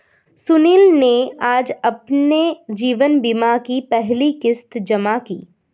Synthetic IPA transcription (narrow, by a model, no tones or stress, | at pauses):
sʊniːlneaːd͡ʒɐpned͡ʒiːʋənbimakipɛɦlikɪst̪d͡ʒɐmakḭː